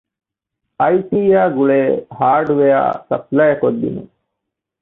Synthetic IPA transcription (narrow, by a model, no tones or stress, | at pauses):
ɐjʈiːjaːɡuɭeːhaːɾɖʋeja̰ːsɐ̰plɐjɐkod̪ːḭne